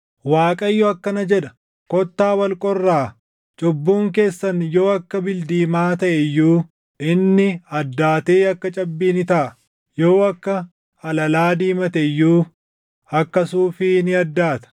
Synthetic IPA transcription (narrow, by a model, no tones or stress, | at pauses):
waːkʼɐjːɔɐkːɐnɐd͡ʒɛᶑɐ | kɔt̪ːaːwɐlkʼɔrːaː | t͡ʃʼɔbːuːŋke̞ːsːɐnjoːɐkːɐbɪld̪iːmaːt̪ɐʔɛjːuː | ɪnːɪɐd̪ːaːt̪e̞ːɐkːɐt͡ʃʼɐbːiːnɪt̪aʔ | joːɐkːɐ | ɐlɐlaːd̪iːmɐt̪ɛjːuː | ɐkːɐsuːfɪnɪɐd̪ːaːt̪ɐ̥